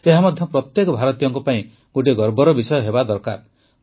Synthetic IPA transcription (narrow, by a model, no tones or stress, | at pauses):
eɦamɔd̪ʱjɔpɾɔt̪jekɔbʱaɾɔt̪ijɔŋkɔpaĩ | ɡ̥oʈeɡɔɾbɔɾɔbisɔjɔɦebad̪ɔɾka̰ɾ